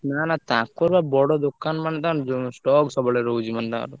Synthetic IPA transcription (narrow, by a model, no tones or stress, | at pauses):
nanat̪ãkpɔɾbabɔɽɔd̪okːanmaned̪ãɾd͡ʒosʈɔksɔbɔleɾowd͡ʒimand̪ã̰ːɾu